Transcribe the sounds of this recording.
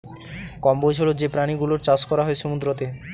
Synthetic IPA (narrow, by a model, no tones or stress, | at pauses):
kɔmbojd͡ʑʰolod͡ʑepɾaniɡuloɾt͡ɕat͡ɕkɔɾaɦɔeʃumud̪ɾot̪e